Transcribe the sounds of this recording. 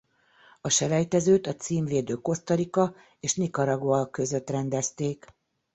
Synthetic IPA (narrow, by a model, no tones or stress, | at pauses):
ɒʃɛlɛjt̪ɛzøːt̪ɒt̪siːɱveːd̪øːko̞st̪ɒɾikɒ | eːʃnikɒɾɒɡʋɒlkø̞zø̞t̪rɛnd̪ɛst̪eːk